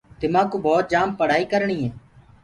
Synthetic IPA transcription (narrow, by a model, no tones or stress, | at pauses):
t̪ɪmãːkuːbɔːt̪̚d͡ʒaːmpəɽ̤aːiːkəɾɳiːɦẽː